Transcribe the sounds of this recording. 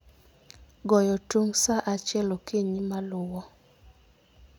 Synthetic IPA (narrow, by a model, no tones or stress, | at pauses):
ɡɔjɔtuŋsaʔat͡ʃɛlokeɲimalʊwɔ